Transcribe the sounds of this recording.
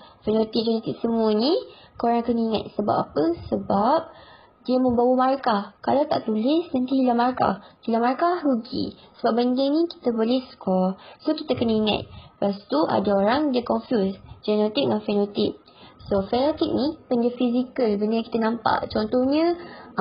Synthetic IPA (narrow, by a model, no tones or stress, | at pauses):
fɛnot̪ik̚d͡ʒɛnot̪ɪk̚səmũənĩkoɾaŋkənaiŋa̰t̪̚səba̰p̚apəsəbap̚ | diəmə̃mbawəmaɾakahkalawt̪a̰ʔt̪ulɪsnãnt̪ihilamaɾka̰hilamaɾakauɡḭsəbap̚bəndɪŋnĩki̥t̪əbolɛhskɔlsokit̪akənaiŋa̰t̪̚past̪uʔa̰daoɾaŋdiəkɔnfjusd͡ʒɛnot̪ik̚nafɛnot̪ɪk̚ | sofɛnot̪ɪk̚nĩpəndiəfizikəlbənəki̥t̪anãmpa̰ʔt͡ʃɔnt̪ɔhɲə̃